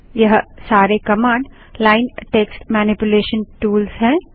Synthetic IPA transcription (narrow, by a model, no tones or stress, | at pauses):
jɐɦsaːɾekɐmãːɳɖ | laːɪnʈeːksʈmɛːnɪpjʊleːʃənʈuːlsɦɛ̃ː